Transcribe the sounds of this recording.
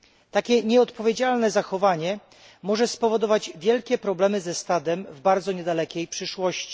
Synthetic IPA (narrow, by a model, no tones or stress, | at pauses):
t̪akʲɛɲɛɔt̪pɔvʲjed͡ʑalnɛzaxɔvaɲɛ | mɔʐɛspɔvɔd̪ɔvad͡ʑvʲjɛlkʲɛpɾɔblɛmɘzɛst̪ad̪ɛmvbaɾd̪zɔɲɛd̪alɛkʲɛjpʂɘʂwɔɕt͡ɕi̥